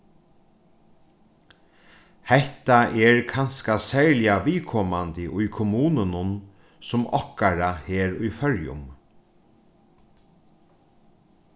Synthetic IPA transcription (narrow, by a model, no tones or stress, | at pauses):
hɛht̪aʔɛɹkʰanskasɛɹlɪaʋiːkʰɔːmant̪ɪʔʊjkʰʊmuːnʊnʊn | sʊmɔhkaɾaheːɾʊjfœɹjʊ̰m